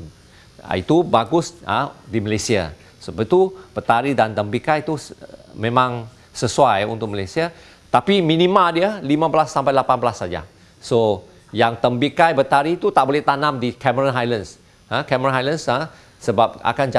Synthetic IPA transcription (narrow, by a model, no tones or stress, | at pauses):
a̰ḭt̪ubaɡʊsə̰diməlesia̰ | səbət̪ub̥ət̪aɾidant̪əmbikajt̪umẽmãŋ | səsuajṵnt̪ʊk̚məlesia | t̪apimĩnĩmãldiəlimãblasːampajlapanbəlasːad͡ʒa̰ | so | jaŋt̪əmbikajbət̪aɾit̪ut̪aʔbolɛht̪anãmdikʰɛməɾənɦajləns | ə̃kɛməɾanɦajlənsə | səbap̚a̰kand͡ʒa